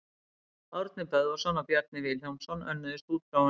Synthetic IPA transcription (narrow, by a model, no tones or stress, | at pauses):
awɾt̪nɪpɛðvasɔnːapjɛɾt̪̚nɪvɪljawnsɔnːʔœ̰nːʏðɪst̪uːt̪a